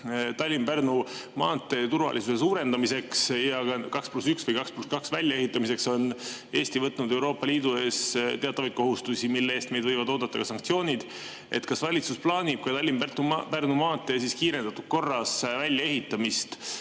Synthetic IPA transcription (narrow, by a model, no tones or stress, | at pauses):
t̪ɑlʲːinpernumɑ̰ːt̪ˑːe̞t̪urvɑ̰lʔisuse̞suːɾe̞nd̪ɑmise̞ksjɑɑkɑksplusyksvɤjkɑkspluskɑksvælʲːjɑe̞ɦit̪ːˑɑmise̞kso̞ne̞ːst̪ivɤt̪ˑːnud̪e̞wɾo̞ːpːˑɑliːd̪̥ue̞ːst̪eɑt̪ːˑɑvɑjt̪̚koɦust̪usimilːeeːst̪me̞jd̪vɤjvɑd̪o̞ːd̪̥ɑt̪ːˑɑkɑsɑŋkt̪sijo̞ːnʲid̪̥ | ʔe̞̰t̪kɑsvɑlʲit̪susplɑːnʲib̥̚kujt̪ɑlʲːimpert̪ːupernumɑːt̪ːˑe̞siskiːɾe̞nd̪̥ɑt̪ːud̪̥̚ko̞rːɑsvælʲjɑe̞ɦit̪ːˑɑmist̪